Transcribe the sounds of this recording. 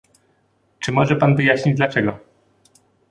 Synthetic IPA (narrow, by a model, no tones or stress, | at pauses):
t͡ʂɘmɔʐɛpanvɘjaɕɲid͡ʑd̪lat͡ʂɛɡɔ